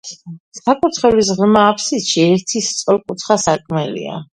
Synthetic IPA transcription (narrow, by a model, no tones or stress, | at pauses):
sakʼut̪ʰχɛbis̬ʁmaːpʰsit̪ʃiɛɾt̪ʰist̪sʼɔlˠkʼut̪ʰχasakʼmɛlḭa̰